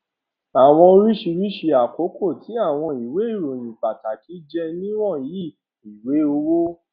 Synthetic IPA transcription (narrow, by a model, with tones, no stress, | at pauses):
a˨w̃ɔ̃˧o˧ɾi˦ʃi˧ɾi˦ʃe˧a˨ko˨˦ko˦˨tʰi˨˦a˦˨w̃ɔ̃˧i˨we˨˦i˦˨ɾo˨jĩ˨k͡pa˨ta˨ki˨˦d͡ʒɛ˧nĩ˦w̃ɔ̃˦˨ji˦˨ | i˨we˨˦o˧wo˦